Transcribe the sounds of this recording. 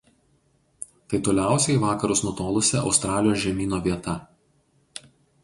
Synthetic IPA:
t̪ɐɪt̪oːlʲæˑʊsʲɛɪʋɑːkɐɾʊsnuɔt̪oːlˠʊsʲɛʔɒʊst̪ɾɑːlʲɪjoːsʒʲɛmʲiːnoːʋʲiɛt̪ɐ

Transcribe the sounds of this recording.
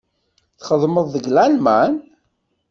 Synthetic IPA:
θχəðˤməðˤːəɡlælmæn

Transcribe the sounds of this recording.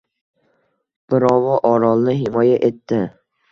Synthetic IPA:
b̥ɪɾɒwɒʔɒɾɒlˠnɪɦɪmɒjaʔet̪ːɪ

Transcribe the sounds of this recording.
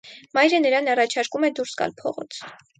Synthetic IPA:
mɑjɾənəɾɑnɑrɑt͡ʃʰɑɾkumɛd̪uɾsɡɑ̰lpʰɔ̰ʁɔ̰t͡sʰ

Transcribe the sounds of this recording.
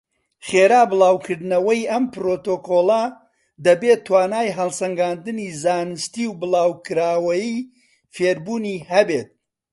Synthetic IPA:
χeːɾaːbɨlˠaːwkʰɨɾd̪ɨnɐwɐjʔɐmpɾot̪oːkolˠɐ | d̪ɐbet̪ʰːwaːnaːjɦɐlˠsɐŋɡaːnd̪ɨnizaːnɨst̪iwbɨlˠaːwkɨɾaːwɐji | feːɾbuːniːɦɐbet̪̚

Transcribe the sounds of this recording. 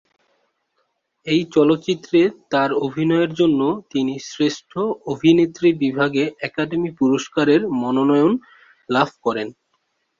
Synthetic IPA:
ejt͡ɕɔlot̪ːɕit̪ːɾet̪aɾobʱinɔeeɾd͡ʑonːot̪inisɾeʃʈʰoobʱinet̪ːɾibibʱaɡeʔɛkaɖemipuɾoʃkaɾeɾmɔnonɔeon | labʱkɔɾen

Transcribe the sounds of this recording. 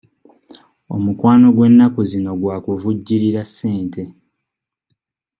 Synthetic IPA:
o̞̰mukwaːno̞ɡwe̞nːakuzino̞ɡwaːkuvuɟːiɾiɾasːe̞ːntʰe̞

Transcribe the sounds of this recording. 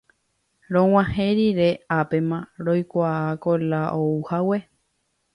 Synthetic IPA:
ɾõw̃ãhẽɾiɾeapemãɾojkʷaːkolaʔouhawe

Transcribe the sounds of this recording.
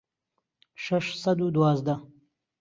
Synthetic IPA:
ʃaʂsɐd̪ud̪wɑːzd̪a

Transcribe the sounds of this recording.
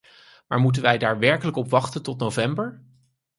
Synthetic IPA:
maːɹmut̬ənʋɛjdaːɹʋɛɹkələkɔpʋɑχtəntɔtnowvɛmbəɹ

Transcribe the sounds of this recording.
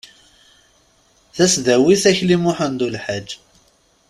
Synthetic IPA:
θæsðæwiθæçlimʊħənd̪ulħad͡ʒː

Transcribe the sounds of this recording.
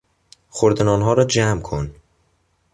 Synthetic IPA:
xoɾd̪enɒːnɦɒːɾɒːd͡ʒæmkʰon

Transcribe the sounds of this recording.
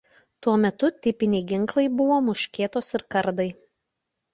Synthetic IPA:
t̪uɔmʲɛt̪ʊt̪ʲɪpʲɪnʲɛɪɡʲɪŋˑklˠɐɪbʊʋoːmʊʃʲkʲeːt̪oːsɪɾkɐɾd̪ɐɪ

